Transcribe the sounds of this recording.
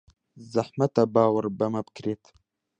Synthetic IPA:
zahmat̪abɑːwaɾbamab̚kɾet̪

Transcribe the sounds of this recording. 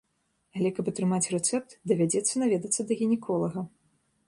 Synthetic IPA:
alʲɛkɐpɐt̪ɾɨmat͡sʲrɛt̪sɛp̚t̪d̪ɐvʲad͡zʲɛt̪sːɐnavʲɛd̪ɐt̪sːɐd̪ɐɣʲinʲɛkʰɔlˠɐɣɐ

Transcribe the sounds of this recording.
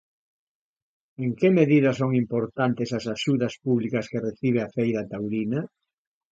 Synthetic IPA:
eŋkemeðiðɐsoŋimpoɾt̪ant̪esɐsaʃuðɐspuβlikɐskereθiβ̞eafejɾɐt̪awɾina

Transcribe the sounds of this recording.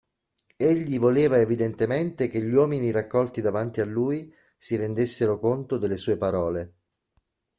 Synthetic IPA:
eʎːivoleːvaevid̪ent̪ement̪ekeʎːwɔːminiɾakːɔlt̪id̪avant̪ialːuːji | siɾend̪esːeɾokont̪od̪elːesuːepaɾɔːle

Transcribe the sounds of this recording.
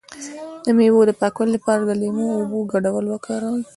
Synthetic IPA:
d̪̥əmewod̪əpɑkwəllapɑɾad̪əlemoːbuɡaɖawəlwakʰɑɾawl

